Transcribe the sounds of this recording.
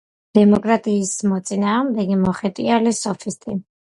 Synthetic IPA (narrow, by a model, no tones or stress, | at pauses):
d̪̥ɛmɔkʼɾat̪ʼiːsmɔt̪sʼinaːʁmd̪ɛɡimɔχɛt̪ʼialisɔfʰist̪ʼi